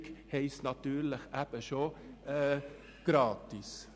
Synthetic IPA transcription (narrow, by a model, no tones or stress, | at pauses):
khɛɪsnɑt̪yːɾləχæb̥əʃo | ɡ̥ɾɑːt̪is